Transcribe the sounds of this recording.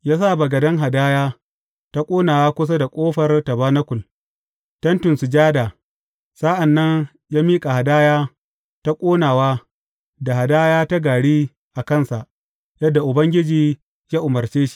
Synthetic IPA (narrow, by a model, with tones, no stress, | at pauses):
jaː˦sa˦˨bɐ˨ɡɐ˨dɐ˦ŋɦa˨daː˦jaː˦ | ta˦kʷʼoː˦naː˨waː˦kʷʊ˦s̬a˦da˨kʷʼoː˦ɸɐ˨rtɐ˨baː˦nɐ˦kʷʊ˨l | tɐ˦ntʊ˨nsu˨d͡ʒaː˦daː˨ | sa˦ʔa˨nːɐ˦n | jaː˦miː˦kʼa˨ha˨daː˦jaː˦ | ta˦kʷʼoː˦naː˨waː˦ | da˨ha˨daː˦jaː˦ta˦ɡaː˨ɽiː˦ | ʔa˨kɐ˦˨nsa˨ʔ | jɐ˦dːa˨ʔʊ˨bɐ˦ŋɡʲɪ˦d͡ʒiː˦ | jaː˦ʔʊ˨mɐ˨rt͡ʃeː˦ʃi̥˦